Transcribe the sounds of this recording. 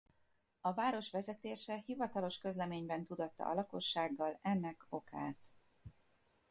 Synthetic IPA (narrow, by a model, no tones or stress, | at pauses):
ɒvaːɾo̞ʃʋɛzɛt̪eːʃɛhivɒt̪ɒlo̞ʃkø̞zlɛmeːɲbɛnt̪ud̪ɒt̪ːɒ̰ʔɒ̰lɒko̞ʃːaːɡːɒlɛnːɛko̞ka̰ːt̪